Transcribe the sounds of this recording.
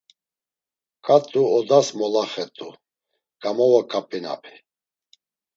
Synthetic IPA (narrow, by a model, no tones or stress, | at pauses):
kʼat̪ʼuɔd̪asmɔlaχɛt̪ʼu | ɡ̥ʼamɔwakʼapʼina̰pʰi̥